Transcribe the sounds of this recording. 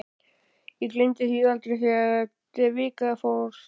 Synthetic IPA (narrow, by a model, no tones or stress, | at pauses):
iklent̪ɪθiðalt̪ɾeθɛt̪ɪvɪːkafoɾ̥